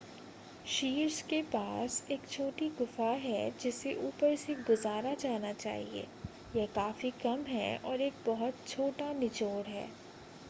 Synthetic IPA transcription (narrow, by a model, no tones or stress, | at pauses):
ʃiːɾskepaːseːkt͡ʃʰoːʈiɡʊfaɦɛd͡ʒɪseʔuːpəɾseɡʊzaːɾad͡ʒaːnat͡ʃa̰ːɦiḛː | jɛɦkaːfikɐmɦɛ̰ɔːɾeːk̚bɔɦʊt̪̚t͡ʃʰoːʈanɪt͡ʃoːɽɦɛ̰ː